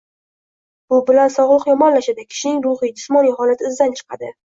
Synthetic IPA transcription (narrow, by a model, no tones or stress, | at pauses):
b̥ʊbɪlansɒʁlˠɨqjɒmɒnlaʃad̪akʲʰɪ̥ʃɪnɪŋɾʊχɨd͡ʒɪ̥smɒnijɦɒlat̪ɪzd̪ant͡ʃʰɨ̥qʰɑd̪ɪ